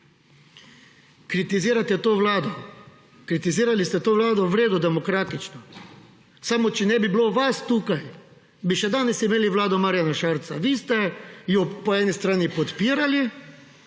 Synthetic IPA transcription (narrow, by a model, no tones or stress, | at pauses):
kɾit̪iziːɾat̪ɛt̪oːʋlaːd̪ɔ | kɾit̪iziːɾalist̪ɛt̪oːʋlaːd̪ɔʋɾeːd̪ud̪ɛmɔkɾaːt̪it͡ʃnɔ | saːmɔt͡ʃɛnɛbibloʋast̪uːkaj | biʃɛd̪aːnɛsimeːliʋlaːd̪ɔmaːɾjanaʃaːɾt̪sa̰ʋiːst̪ɛjɔpɔɛːnist̪ɾaːnipɔt̪piːɾali